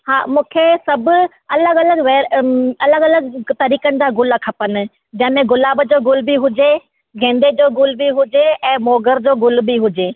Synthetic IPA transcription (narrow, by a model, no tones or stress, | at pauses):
haːmũːkʰesɐbʊ | ɐləɡɐləɡʋɛːɾɐləɡɐləɡt̪ɐɾiːkənɪ̆d͡ʑaːɡʊlakʰɐpənɪ̆ | d͡ʑɐ̃ɦɪ̃mẽɡʊlaːbd͡ʑoːɡʊlbiɦʊd͡ʑe | ɡʱẽːnd̪ed͡ʑoːɡʊlbiɦʊd͡ʑeɛ̃ːmoːɡəɾd͡ʑoːɡʊlbiɦʊd͡ʑeː